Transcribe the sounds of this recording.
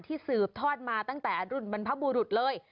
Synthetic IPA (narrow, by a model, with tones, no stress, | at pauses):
t̪ʰiː˥˩sɯː˨˩p̚t̪ʰɔː˥˩t̪̚maː˧t̪a˥˩ŋt̪ɛː˨˩ɾu˥˩nba˧npʰa˦˥buː˧ɾu˨˩t̪̚lɤː˧j